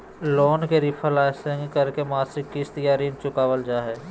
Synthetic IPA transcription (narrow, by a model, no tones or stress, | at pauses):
loːnkeɾɪpʰəlaːsə̃ŋɡkɐɾkemaːt̪ɾɪkːist̪əjaːɾiːnt͡ʃʊkaːʋəld͡ʒaːɦɛː